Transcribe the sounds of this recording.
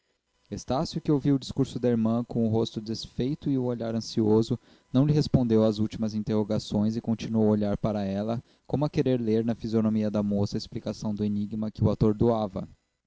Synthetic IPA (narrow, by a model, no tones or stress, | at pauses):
est̪asjʊkɪowviwʊd͡ʒiskuɾsʊd̪ɐeɾmɐ̃kõʊɦost̪ʊd̪esfejt̪ʊɪʊoʎaɾɐ̃siozʊ | nɐ̃w̃lɪɦespõnd̪ewazuwt͡ʃimɐzĩnt̪eɦoɡasõj̃zɪkõnt͡ʃinuowoʎaɾpaɾɐɛlɐ | kõmʊɐkeɾeɾleɾnɐfizionomiɐd̪ɐmosɐesplikasɐ̃w̃d̪ʊeniɡmɐkɪʊat̪oɾd̪uavɐ̰